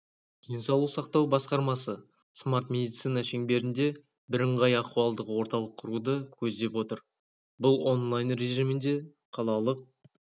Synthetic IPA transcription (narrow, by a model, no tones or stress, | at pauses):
insɑlˠusɑq̚t̪ɑwbɑsqɑɾmɑsə | smart̪mʲe̞d̪ijt̪sijnɑʃe̞ŋbe̞ɾɪnd̪e̞ | bɪɾɪɴʁɑjɑquɑlˠd̪əqwo̞ɾt̪ɑlˠəqʰːʊɾud̪əkʲʰɵzd̪e̞pwo̞t̪əɾ | bʊlˠo̞nlˠajnɾe̞ʒimɪnd̪e̞ | qʰɑlˠɑlˠəq̚